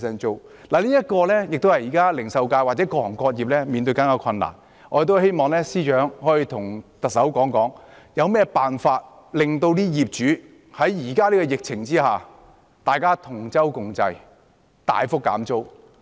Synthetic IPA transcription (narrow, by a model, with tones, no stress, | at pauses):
sɛː˧˥nt͡ʃo˥wlaː˨˩liː˥jɐ˥t̚kɔː˧lɛː˥jɪ˨k̚t̪o˥whɐ˨jiː˨˩kaː˥lɪ˨˩ŋsɐ˧wkaː˧jwaː˨t̚t͡sɛː˨˥kɔː˧˨˩ŋkɔː˧t̚jiː˨p̚lɛː˥miː˧nt̪̬ɵ˧kaː˨˥nkaː˧kʰɐ˧nːa̰ː˨˩n | ɔː˨˧ɾe˨t̪̬ɦe˥jmɔː˨ŋlɛː˥siː˥t͡ʃœː˨˥ŋhɔː˨˥jiː˧t̪ʰʊ˨˩ŋt̪ɐ˨k̚sɐ˨˥wkɔː˨˥ŋkɔː˨˥ŋ | jɐ˨˧wmɛː˥paː˨nfaː˧t̚ | lɪ˨ŋt̪o˧wt̪iː˥jiː˨p̚t͡ʃyː˨˥ | hɐ˨˥jjiː˨˩kaː˥liː˥kɔː˧jɪ˨k̚t͡sʰɪ˨˩ŋt͡siː˥haː˨˩ | t̪aː˨jkaː˥t̪ʰʊ˨˩ŋt͡sɐ˥wkʊ˨˧ŋt͡sɐ̰˧j | t̪a̰ː˨jfʊ˥kːa̰ː˨˥mt͡so˥w